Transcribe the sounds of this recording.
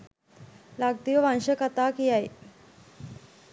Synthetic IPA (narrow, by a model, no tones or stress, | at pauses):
laɡ̚t̪iʋəʋanʃəkat̪aːkijaj